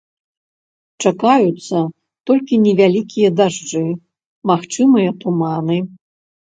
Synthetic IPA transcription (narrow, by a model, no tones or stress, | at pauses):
t͡ʂakajut̪sːɐ | t̪ɔlʲkʲinʲɛvʲalʲikʲʰijɐd̪aʐd͡ʐɨ | maxt͡ʂɨmɨjɐt̪umanɨ